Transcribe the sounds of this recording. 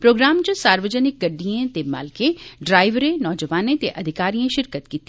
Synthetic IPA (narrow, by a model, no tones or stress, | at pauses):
pɾoːɡɾaːmt͡ʃəsaːɾʋəd͡ʒənɪk̚ɡɐɖːijẽt̪ema̰ːlkẽɖɾaːɪʋɾẽnɔːd͡ʒəʋaːnẽt̪eʔɐd̪ʱɪkaːɾijãʃɪɾkət̪kiːt̪ːi